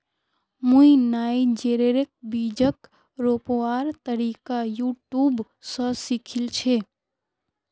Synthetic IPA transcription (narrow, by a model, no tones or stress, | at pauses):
mũĩnaid͡ʒeɾeɾek̚bid͡ʒək | ɾopoaɾt̪əɾikajuʈjub | sə̃sikʰilt͡ʃʰe